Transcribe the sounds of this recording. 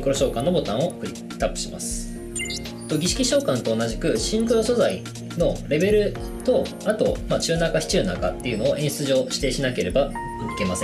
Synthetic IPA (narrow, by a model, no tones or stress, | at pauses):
ŋkɯɾo̞ɕo̞ːkãnːo̞bo̞t̪ão̞kɯ̟ɾʲi | t̪ːapːɯ̟̥ɕima̰sɨ̥ | t̪oɡʲiɕi̥kʲiɕo̞ːkãnt̪o̞ːnaʑikɯ̟ɕĩŋkɯ̟ɾo̞so̞zai | no̞ɾe̞be̞ɾɯ̟ | t̪o̞ | at̪o̞̰mat͡ɕɨːnakaçʲi̥t͡ɕɨːna̰ka̰t̪ːe̞iɯ̟no̞ːʔẽ̞ɰ̃sɨ̥t͡sɨʑo̞ːɕi̥t̪e̞ːɕinake̞ɾe̞ba | ɯ̟ke̞masẽ